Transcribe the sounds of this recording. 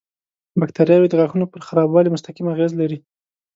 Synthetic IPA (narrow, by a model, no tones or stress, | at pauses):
bak̚t̪aɾjɑwed̪əɣaxunopəɾxaɾɑbwɑlimʊst̪aqimaɣezlaɾi